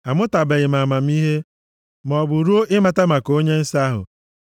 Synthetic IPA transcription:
a˨mʊ˦ta˨be˨ɣɪ˨ma˨ma˨m̩˦i˦ɦe˦ | m˨ɔ˨bʊ˨ɾu˦o˦ʔɪ˦ma˨ta˦ma˨ko˦ɲe˦n̩˦sa˦ɦʊ̰˨

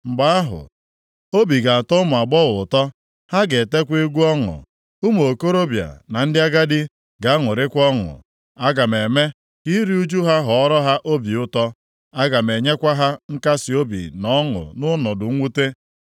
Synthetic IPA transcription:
m̩˨ɡ͡ba˨˦a˦ɦʊ̰˨ | o˦bi˨ɡa˨tɔ˦ʊ˦mʊ˨a˨ɡ͡bɔ˦ɣʊ˨tɔ˦ | ha˦ɡe˨te˦kʷe˦ɡʷu˦ɔ˦ŋʊ̰˨ | u˦m˨o˨ko˦ɾo˦bja̰˨na˨n̩˦dɪ˦a˦ɡa˦dɪ˦ | ɡa˨a˦ŋʊ˨ɾɪ˦kʷɔ˦ŋʊ̰˨ | a˦ɡa˨me˨me˦ | ki˦ɾi˦u˦d͡ʒu˦ɦa˦ɦɔ˨ɔ˦ɾɔ˦ɦa˦ʔo˦bi˨ʊ˦tɔ˦ | a˦ɡa˨me˨ɲe˦kʷa˦ɦa˦ŋ̩˦ka˦sɪ˨o˦bḭ˨nɔ˦ŋʊ̰˨nʊ˦nɔ˨dʊ˨ŋ̩˦ŋʷu˦te˦

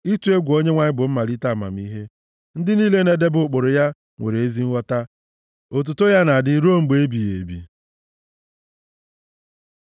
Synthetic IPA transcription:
i˦tu˨˦e˦ɡʷo˦ɲe˦ŋʷa˦ɲɪ˦bʊ˨m̩˦ma˨li˦ta˦˨ma̰˨m̩˦i˦ɦe˦ | n̩˦dɪ˦niː˦le˦ne˨de˦bʊ˨k͡pʊ˨ɾʊ˨ja˦ | ŋʷḛ˨ɾe˨e˦zi˦ŋ̩˦wʷɔ˦ta˦ | o˨t̬u˨to˦ja˦na˨dɪ˦ɾo˦˨m̩˨ɡ͡be˨˦bi˨jḛ˨bḭ˨

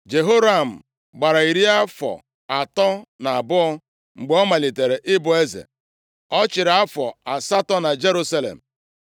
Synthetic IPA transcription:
d͡ʒe˨ɦo˦ɾa˦˨m̩˨ | ɡ͡ba˨ɾa˨i˨ɾi˦a˦fɔ̰˨ | a˨tɔ˦na˨a˨bʊ˦ɔ˦ | ŋ͡m̩˨ɡ͡bɔ˦ma˨li˨te˨ɾe˨ʔɪ˦bʊ˨e˦zḛ˨ | ɔ˦t͡ʃɪ˨ɾa˦fɔ˨a˨sa˦tɔ˦na˨d͡ʒe˦ɾu˦sa˦lḛ˨m̩˨

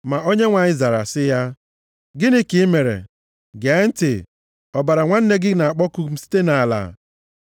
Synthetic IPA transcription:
ma˨ʔo˦ɲe˦ŋʷa˨ɲɪ˦za˨ɾa̰˨sɪ˦ja˦ | ɡɪ˦ni˦ki˨˦me˨ɾḛ˨ | ɡe˨˦n̩˦tɪ˨ | ɔ˨ba˨ɾa˨ŋʷa˦n̩˦ne˦ɡɪ˦na˨a˨k͡pɔ˦ku˦m̩˦si̥˦te˦na˨a˨la̰˨

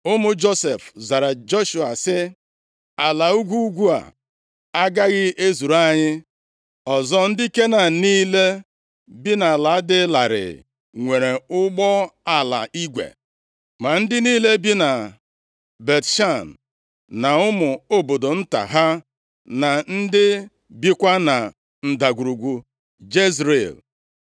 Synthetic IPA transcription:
ʊ˦mʊ˨d͡ʒo˦se˨fza˨ɾa˨d͡ʒo˦ʃu˨a˨sɪ˦ | a˨la˨u˦ɡʷu˦u˦ɡʷu˦a̰˨ | a˦ɡa˦ɣɪ˦ʔe˦zu˨ɾa˦ɲɪ˦ | ɔ˨zɔ˦n̩˦dɪ˦i˦ke˦na˨niː˦le˦ | bi˦na˨la˨a˦dɪ˦la˨ɾɪ̰˨ | ŋʷe˨ɾe˨ʊ˦ɡ͡bɔ˦a˨la̰˨ʔi˦ɡʷḛ˨ | ma˨n̩˦dɪ˦niː˦le˦bi˦na˨ | be˨tʃa˦˨n˨ | na˨ʊ˦mʊ˨o˦bo˨do˨n̩˦ta̰˨ɦa˦ | na˨n̩˦dɪ˦ | bi˦kʷa˦na˨ | n̩˨da˨ɡu˨ɾu˨ɡʷu˨ | d͡ʒe˦zɾe˨l

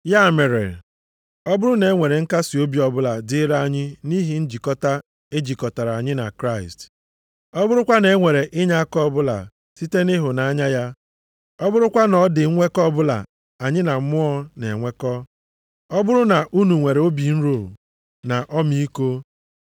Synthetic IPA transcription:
ja˦˨me˨ɾḛ˨ | ɔ˦bʊ˦ɾʊ˦ne˨˦ŋʷe˨ɾe˨ŋ̩˦ka˦si˨o˦bi˨˦ɔ˨bʊ˦la˨dɪ˦ɾa˦a˦ɲɪ˦ni˦ɦi˨n̩˦d͡ʒi˨kɔ˦ta˦ | e˦d͡ʒi˨kɔ˨ta˨ɾa˨a˨ɲɪ˦na̰˨kɾa˦˨ɪ˨st | ɔ˦bʊ˦ɾʊ˦kʷa˦ne˨˦ŋʷe˨ɾe˨ʔɪ˦ɲa˦kɔ˦bʊ˦la̰˨ | si˦te˦nɪ˦ɦʊ˨na˨a˦ɲa˦ja˦ | ɔ˦bʊ˦ɾʊ˦kʷa˦nɔ˨˦dɪ˨˦ŋʷe˦kɔ˦bʊ˦la̰˨ | a˨ɲɪ˦na˨˦mʊ˦ɔ˦ne˨ŋʷe˦kɔ˦ | ɔ˦bʊ˦ɾʊ˦na˨ʔu˦nu˨ŋʷe˨ɾe˨o˦bi˨n̩˦ɾo˨ | na˨ʔɔ˦mi˦i˦ko˦

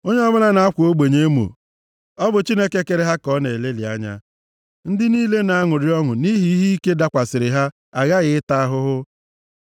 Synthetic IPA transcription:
o˦ɲe˦ɔ˦bʊ˦la˦na˨a˦kʷʊ˨o˦ɡ͡be˨ɲe˦mo̰˨ | ɔ˦bʊ˨t͡ʃi˦ne˦ke˦ke˨ɾe˦ɦa˦kɔ˦ne˨e˨le˦li˨a̰˦ɲa̰˦ | n̩˦dɪ˦niː˦le˦na˨a˦ŋʊ˨ɾɪ˦ɔ˦ŋʊ˨ni˦ɦi˦i˦ɦi˦i˦ke˦da˦kʷa˨sɪ˨ɾɪ˨ɦa˦ | a˨ɣa˦ɣɪ˨ɪ˦ta˦a˦ɦʊ˦ɦʊ˦

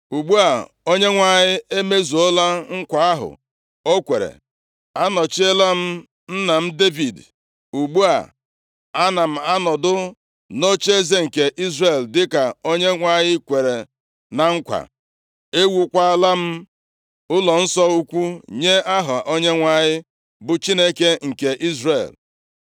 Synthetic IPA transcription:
u˨ɡ͡bu˦a˨ | o˦ɲe˦ŋʷa˦ɲɪ˦e˦me˦zu˨o˦la˦ŋ̩˦kʷa˨a˦ɦʊ̰˨ | o˦kʷe˨ɾḛ˨ | a˦nɔ˨t͡ʃe˦la˦m̩˦ | n̩˦na˨m̩˦de˦vi˨d | u˨ɡ͡bu˦a̰˨ | a˦na˨m̩˨a˦nɔ˨dʊ˦ | no˦t͡ʃe˦ze˦ŋ̩˨ke˨ʔi˦zre˨ldɪ˦ka˨o˦ɲe˦ŋʷa˦ɲɪ˦kʷe˨ɾe˨ | na˨ŋ̩˦kʷa̰˨ | e˦wu˨kʷa˦la˦m̩˦ | ʊ˦lɔ˨n̩˦sɔ˦u˦kʷu˦ɲe˦a˦ɦa˨ʔo˦ɲe˦ŋʷa˦ɲɪ˦ | bʊ˨t͡ʃi˦ne˦ke˦ŋ̩˨ke˨ʔi˦zrḛ˨l

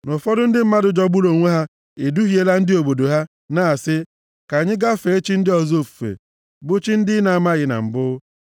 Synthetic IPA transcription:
nʊ˨fɔ˦dʊ˦n̩˦dɪ˦m̩˦ma˦dʊ˨d͡ʒɔ˦ɡ͡bʊ˦lo˨ŋʷe˦ɦa˦ | e˨du˦ɦi˨˦e˦la˦n̩˦dɪ˦o˨bo˨do˨ɦa˦ | na˦a˨sɪ˦ | ka˨ɲɪ˦ɡa˦fe˨e˦t͡ʃi˦n̩˦dɪ˦ɔ˨zo˦fu̥˨fḛ˨ | bʊ˦t͡ʃi˦n̩˦dɪ˦na˨a˨ma˦ɣɪ˨na̰˨m̩˨bʊ˦

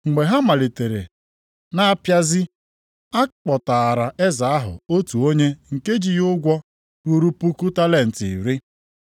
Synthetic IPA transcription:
ŋ͡m̩˨ɡ͡be˨ɦa˦ma˨li˨te˨ɾḛ˨ | na˦a˦pja˦zɪ˦ | a˦k͡pɔ˨ta˨ɾa˨e˦za˨a˦ɦʊ̰˨o˦tu˨o˦ɲe˦ŋ̩˨ke˦d͡ʒi˨jʊ˦ɡʷɔ˦ | ɾu˦ɾu˦pu˦ku˦ta˦le˨n̩˨ti˨i˨ɾi˦

